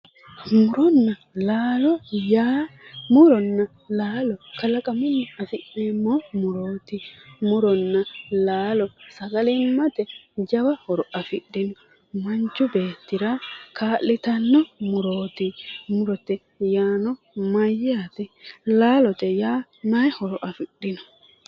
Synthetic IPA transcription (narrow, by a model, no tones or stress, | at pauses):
mʊɾɔnːɐ | laːlɔjaːmʊɾɔnːɐ | laːlɔkɐlɐkʼɐmʊnːɛɐfɪɗːemːɔmʊɾoːt̪ɪmʊɾɔnːɐlaːlɔsɐɡɐlɛmːɐt̪ɛd͡ʒɐbɐhɔɾɔʔɐfɪɗːɪnɔ | mɐnt͡ʃːʊbe̞ːt̪ːɪɾakʰaːʔːɪt̪ɐnːɔmʊɾoːt̪ɪmʊɾɔt̪ːɛ | jaːnɔ | mɐjːaːt̪ɛlaːlɔt̪ɛjaː | nɐjhɔɾɔʔɐfɪɗːɪnɔ̥